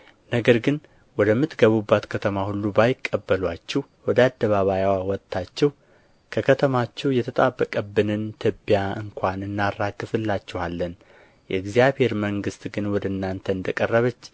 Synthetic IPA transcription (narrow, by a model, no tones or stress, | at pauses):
nəɡəɾɡɨn | wɔd̪əmːɨt̪ɡəβubːat̪kʰət̪ʰəmahulːubajɪkʼːəbːəlwat͡ʃːɛw | wɔd̪əad̪ːəβaβajawawɔt̪ʼːat͡ʃːɛw | kʰəkʰət̪ʰəmat͡ʃːɛwjɛt̪ʰət̪ʼabːəkʼəbːɨnɨnt̪ʰɨbːjaɨŋkʰʷanɨnːarːaɡɨfɨlːat͡ʃːɛhalːən | jɛɡzjaβhe̞ɾməŋɡɨst̪ɡɨnwɔd̪əɨnːant̪ʰəɨnd̪əkʼərːəβət͡ʃː